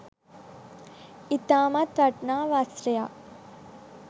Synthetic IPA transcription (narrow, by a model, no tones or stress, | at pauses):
it̪aːmɐt̪ʋɐʈnaːʋaːsɾɐja